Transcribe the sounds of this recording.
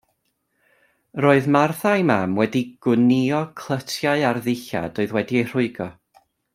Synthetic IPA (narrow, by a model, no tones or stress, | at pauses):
roːɨðmarθajmamwɛdiɡ̥ʊniɔkʰl̥ˠətʰjaɨarðɪɬa̰d̥oːɨðwɛdiejr̥ʊɨɡɔ